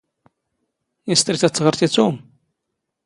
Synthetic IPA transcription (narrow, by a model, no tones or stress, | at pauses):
ist̪ɾiθæt͡sːʁəɾθit͡sːum